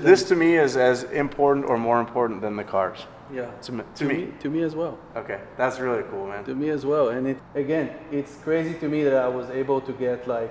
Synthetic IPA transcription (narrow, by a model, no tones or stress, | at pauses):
ðɪstʰɨmiɪzɨzɪ̃mpʰɔɹʔn̩tə˞mɔɹɨ̃mpʰɔɹʔn̩ðɨ̃nðɨkʰɑ̰ɹz̥ | jætʰɨtʰɨmiitʰɨmiɨzwɛlˠ | oʊkʰeɪðætsɹɪlˠikʰulˠmæ̃ntɨmiɨzwɛlˠɨ̃nɪtɨɡɛ̃nɪtskʰɹ̥eɪziɾɨmiðɨɾaɪwʌzeɪbl̩ˠtʰɨɡɛtʰˡlaɪk